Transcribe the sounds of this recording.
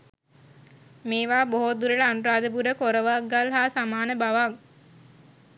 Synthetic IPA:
meːʋaːboɦod̪uɾəɖəanuɾaːd̪əbuɾəkoɾəʋakɡalɦaːsamaːnəbaʋak̚

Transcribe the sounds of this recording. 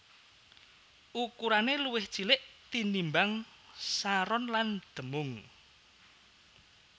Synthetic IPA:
ʔukuɾaneluwɪht͡ʃilɪʔt̪inimbaŋ | saɾɔnland̪̥ə̤mʊŋ

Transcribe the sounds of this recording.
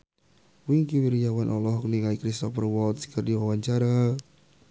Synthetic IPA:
wiŋkiwiɾijawanʔɔlɔhkniŋaikɾist̪ɔfərwɔlt̪skərdiwawaɲt͡ʃaɾa

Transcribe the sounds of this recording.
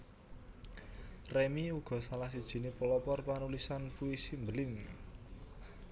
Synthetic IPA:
remiuɡ̥ɔ̤salahsid̥ʒ̥i̤nepəlɔpɔrpanulisanpuisimbəlɪŋ

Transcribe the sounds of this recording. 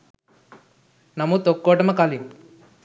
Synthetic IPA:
nɐmut̪okːoːʈɐmɐkaːlim

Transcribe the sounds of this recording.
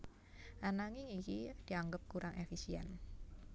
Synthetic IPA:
ʔanaŋɪŋikid̪̥i̤aŋɡəp̚kuɾʔaŋʔefisiɛ̰n

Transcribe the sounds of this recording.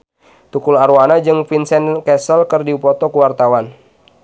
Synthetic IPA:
t̪ukulaɾuanad͡ʒɨŋfinsɛnkɛsəlkɨrdiupɔt̪ɔkuwart̪awan

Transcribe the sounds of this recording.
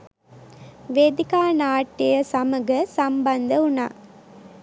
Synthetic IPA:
ʋed̪ikaːnaːʈːijɐsɐməɡəsɐmbɐnd̪əuna̰ː

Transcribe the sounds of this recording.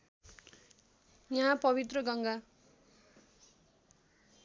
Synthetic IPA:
jʌɦãpʌβit̪rʌɡʌŋɡa

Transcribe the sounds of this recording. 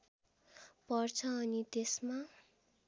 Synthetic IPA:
pʌrt͡sʰʌːnit̪esma

